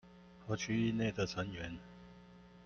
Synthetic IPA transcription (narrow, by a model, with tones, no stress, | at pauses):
xɤ˧˥t͡ɕʰy˥˧i˥˧ne˥˩ɪd̪ə˨t͡sʰə˧˦ŋɥɛ˨˧˦n